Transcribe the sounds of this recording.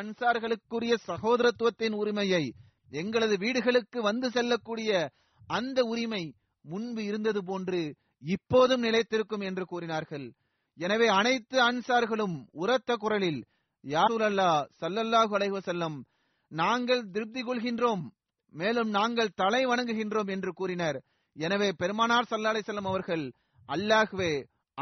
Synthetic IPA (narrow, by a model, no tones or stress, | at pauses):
ɐnsaːɾɣɐɭɯkːɯɾɪjɐsɐɣoːðɐɾɐt̪ːɯʋɐt̪ːɪnʊɾɪmɐjɐɪ | ɛŋɡɐɭɐðɯʋiːɽɯɣɐɭɯkːɯʋɐnd̪ɯsɛlːɐkːuːɽɪjɐ | ʔɐnd̪ɐʊɾɪmɐɪ | mʊɳbɯɪɾɯnd̪ɐðɯp̬oːndrɯ | ɪpːoːðɯmnɪlɐɪt̪ːɪɾɯkːɯmɛndrɯkuːɾɪnaːɾɣɐɭ | ɛnɐʋeːɐnɐɪt̪ːɯɐnsaːɾɣɐɭɯmʊɾɐt̪ːɐkʊrɐɭɪl | jaːsuːlɐlːaːsɐlːɐlːaːɣɯɐlɐɪɣɯʋɐsɐlːɐm | naːŋɡɐɭd̪ɪɾb̚d̪ɪkɔɭɣɪndroːmː | eːlɯmnaːŋɡɐɭt̪ɐlɐɪʋɐɳɐŋɡɯɣɪndroːmɛndrɯkuːrɪnɐɾ | ɛnɐʋeːpɛɾɯmaːnaːɾsɐlːaːlɐɪsɐlːɐmɐʋɐɾɣɐɭ | ɐlːaːɣɯʋeː